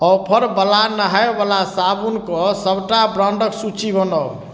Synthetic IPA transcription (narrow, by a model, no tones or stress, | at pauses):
ɔpʰəɾbəlanəɦaebalasabunkɔsəbʈabɾawɳɖəksut͡ʃibənɔ